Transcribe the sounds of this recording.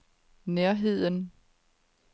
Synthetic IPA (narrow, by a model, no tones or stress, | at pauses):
neɐɦe̝ð̞̰ˠən